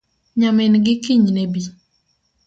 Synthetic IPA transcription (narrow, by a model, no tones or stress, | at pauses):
ɲamɛnɡɪkiɲnebi